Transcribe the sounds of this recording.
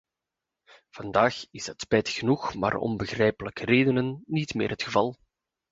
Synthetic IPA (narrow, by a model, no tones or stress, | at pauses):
v̥ɑndaːxɪsɦətspɛjtxənuxma̰ːrɔ̰nbəɣrɛjpələkəreːdənənːitmeːrɦətxəvɑlˠ